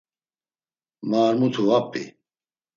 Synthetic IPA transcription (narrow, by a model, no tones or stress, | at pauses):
maːɾmut̪ʰuɐpːḭ